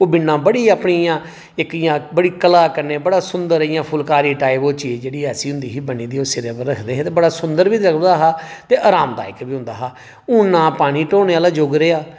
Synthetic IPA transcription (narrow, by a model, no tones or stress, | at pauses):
oːbɪnːãːbəɽiːaːpɳiːãː | ɪkijãːbəɽiːkəlaːkəɾneːbəɽaːsʊnd̪əɾijãːpʰʊlkaːɾiːʈaːɪboːt͡ʃiːd͡ʒd͡ʒeːɽiːɛːsiːɦʊ̃nd̪iːɦiːbəniːd̪iːoːsɪɾeːbəɾəkʰd̪eːɦẽːt̪eːbəɽaːsʊ̃nd̪əɾʋiːɾəkʰd̪aːɦaːt̪eːʔaːɾaːmd̪a̰ːɪkbiːɦʊ̃nd̪aːɦaː | ʊːnãːpaːɽ̃iːʈoːneːaːlaːd͡ʒoːɡɾeːaː